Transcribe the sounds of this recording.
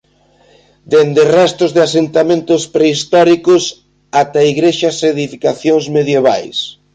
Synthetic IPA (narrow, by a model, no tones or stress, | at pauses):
d̪end̪erɛst̪ʊzðɪasent̪amẽnt̪ʊspɾeist̪ɔɾikʊs | at̪aiɣɾeʃɐseðifikaθjoŋzmeðjeβa̰js